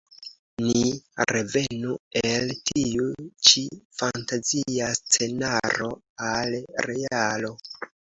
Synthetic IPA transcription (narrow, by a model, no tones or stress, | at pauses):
niɾe̞ve̞nueltʰiut͡ʃifantaziast͡se̞naɾo̞ | alɾe̞alo̞